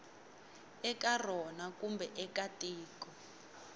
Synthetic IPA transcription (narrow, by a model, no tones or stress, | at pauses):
ɛkar̤ɔnakumbɛʔɛkatʼiːkɔ